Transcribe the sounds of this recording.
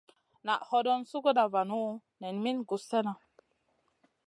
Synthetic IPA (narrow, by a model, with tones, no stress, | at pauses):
na˨ʔhɔ˦dɔ˦nsu˦ɡo˦na˨va˨nu˦ | nɛ˨nmi˦nɡu˨se˦na˨